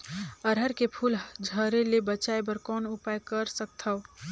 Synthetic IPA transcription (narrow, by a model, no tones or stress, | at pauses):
əɾɦəɾkepʰuːld͡ʒʱəɾelebət͡ʃaebəɾkɔːnʊpajkəɾsək̚t̪ʰəw